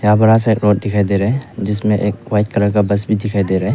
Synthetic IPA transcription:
jãbəɾas̬ekɾoʈ̚dɪkʰajd̪eɾɛd͡ʒɪsmẽʔek̚wajt̚kəɾəkabɐs̬bʱid̪ɪkʰajd̪eɾɛ

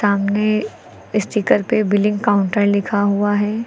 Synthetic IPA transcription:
saːmne | ɪst̪iːkəɾpebɪlɪ̃ŋɡkaːʊ̃ɳʈəɾlɪkʰaɦuaɦɛː

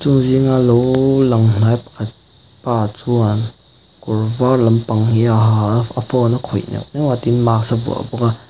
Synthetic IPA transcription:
t͡suŋziŋalowlɐŋn̥ajpɐ̥kʰat̪̚ | paːt͡sun | kɔrvarlɐmpɐŋhiaɦaafɔnakʰɔjnɛ̰knɛwat̪inmak̚sabṵa̰bɔka

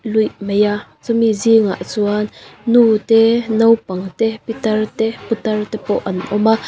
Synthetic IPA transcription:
lujʔmejat͡sumiziŋa̰ʔt͡suanːuːt̪ɛnɔwpɐŋt̪ɛpit̪ɐrt̪ɛput̪ɐrt̪ɛpɔʔɐnʔɔma

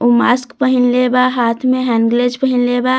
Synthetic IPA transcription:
umaskpəɦinlebaɦaːt̪ʰmẽɦɛŋɡled͡ʒpəɦinleba

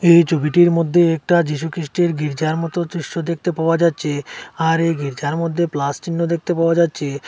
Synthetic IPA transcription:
ejt͡ɕʰobiʈiɾmod̪ʱːeɛk̚ʈad͡ʑiʃukɾiʃʈeɾɡiɾd͡ʑaɾmɔt̪ot͡ɕɾiʃʈod̪ek̚ʰt̪epaoad͡ʑatːɕʰeaɾejɡiɾd͡ʑaɾmod̪ʱːeplast͡ɕinːod̪ek̚t̪epaoad͡ʑatːɕʰe

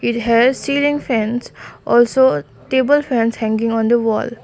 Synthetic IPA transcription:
iʈɦɛɖsiːlĩŋfɛ̃nsʔɔlso | ʈeːbəlfɛ̃nshɛ̃ŋɡɪ̃ŋɔ̃nd̪əʋɔ̰ːl

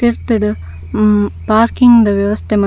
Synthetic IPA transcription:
iɾt̪ːiɽɐ | paːɾkiŋɡd̪ɐʋjɐʋɐst̪ʰemɐ

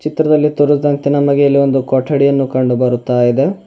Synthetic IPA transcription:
t͡ʃit̪ɾɐd̪ɐlːit̪uɾuzd̪ɐnt̪inɐmɐɡejɐlːio̞nd̪ukɔːʈʰːɐɽijɐnːukɐɳɖubɐɾut̪ːaːjid̪e

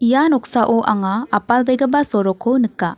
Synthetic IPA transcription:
ijanɔk̚saʔoʔaŋaːpalbejɡɐbasɔɾɔkʰːownɯkːa

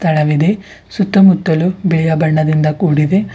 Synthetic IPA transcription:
t̪ʰɐɭɐʋid̪e̞ | sut̪ːɐmut̪ːɐlubɛɭɐjɐbɐɳːɐd̪ind̪ɐkuːɽid̪e̞

